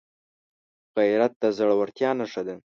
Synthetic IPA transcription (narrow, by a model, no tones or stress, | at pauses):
ɣajɾat̪̚d̪əzaɽawaɾt̪jɑnaʂad̪e